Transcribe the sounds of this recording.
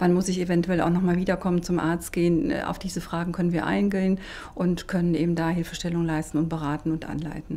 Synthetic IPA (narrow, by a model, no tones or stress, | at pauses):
v̥anmʊsɪçevɛntuɛla̰ʊxnɔχmaːlviːdɐkʰɔmənt͡sʊmʔa̰ɐt͡st̚ɡ̥eːən̰ːʔa̰ʊfd̥iːzəfʁ̥aːɡŋ̩kʰœnənviːɐʔa̰ɪnɡeən | ʔʊntkʰœnənʔeːbm̩daːɦɪlfəʃtɛlʊŋlaɪstn̩ʊnt̚b̥əʁaːtn̩ʊntʔa̰nla̰ɪtn̩